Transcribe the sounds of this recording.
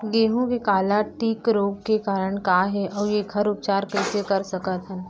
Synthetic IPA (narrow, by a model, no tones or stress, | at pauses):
ɡeːɦũkekaːlaʈiːkɾoːɡkekaːɾəɽ̃kaːɦɛʔɔːɾjeɡʰʱɐɾʊp̚t͡ʃaːɾkɛːsekɐɾsɐkət̪ɦən